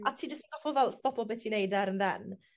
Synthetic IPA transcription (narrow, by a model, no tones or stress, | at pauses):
atʰiːd͡ʒəstdɔfɔvɛlˠstɔpʰɔbɛtʰinejdɛɾənðɛn